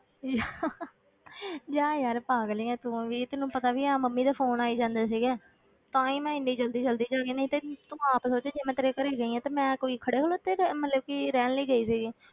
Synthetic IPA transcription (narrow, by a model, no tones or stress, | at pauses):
jaː | d͡ʒaːjaːɾpaːɡliːɛ̃ːt̪ʊ̃ʋiːt̪ʊnːũːpət̪aːʋiːãːməmːiːd̪aːpʰoːnaːiːd͡ʒãːnd̪aːsiːɡɛː | t̪ãːĩːmɛ̃ːɪnːiːd͡ʒəld̪iːd͡ʒəld̪iːd͡ʒaːɡiːnəĩːt̪eːt̪ʊaːpəsoːt͡ʃeːd͡ʒeːmɛ̃ːt̪əɾeːkəɾeːɡəiːãːt̪aːmɛ̃ːkoːiːkʰəɽeːkʰəloːt̪eːmət̪ləbkiɾɛːnliːɡəiːsiːɡeː